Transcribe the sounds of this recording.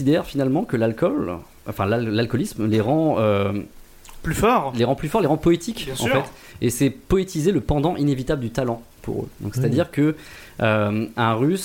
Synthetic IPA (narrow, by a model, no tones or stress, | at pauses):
id̪ɛʁfinalmɑ̃kəlalkɔl | ɑ̃fɛ̃lallalkɔlismleʁɑ̃ø | plyfɔʁleʁɑ̃plyfɔʁleʁɑ̃pɔet̪ʰikjɛ̃sɑ̰̃ffɛt̪ | esɛpɔet̪izeləpɑ̃d̪ɑ̃ʔinevit̪abləd̪yt̪alɑ̃ | pṵʁø̰d̪ɔ̰̃kset̪ad̪iʁkə | øɛ̃ʁys